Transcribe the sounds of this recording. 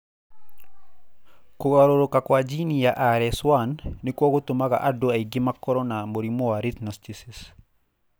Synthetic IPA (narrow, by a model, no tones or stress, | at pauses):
koɣaɾoɾokakwad͡ʒinijaʔaɾɛswanːikwɔɣot̪omaɣa̰ʔadoaiɡimakɔɾɔnamoɾimɔwaɾit̪nɔstisis